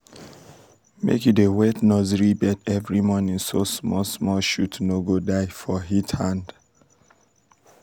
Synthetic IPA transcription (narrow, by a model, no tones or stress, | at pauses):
mḛkidewɛtnɔziɹibɛdɛvɹimɔnĩŋsosmɔlsmɔlʃutnoɡodaɪfɔɦithãnd̥